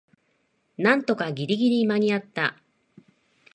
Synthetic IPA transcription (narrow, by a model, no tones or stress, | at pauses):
nãnt̪o̞kaɡʲiɾʲiɡʲiɾʲimaɲ̟iat̪ːa